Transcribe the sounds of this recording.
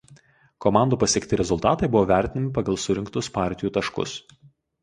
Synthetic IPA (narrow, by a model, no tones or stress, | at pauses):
kɔmɑˑnd̪uːpɐsʲiɛkt̪ʲɪɾʲɛzʊlˠt̪ɑːt̪ɐɪbʊʋoːʋʲæˑɾʲt̪ʲɪnʲɪmʲɪpɐɡɐlˠsʊɾʲɪŋkt̪ʊspɑˑɾʲt̪ʲɪjuːt̪ɐʃkʊ̰s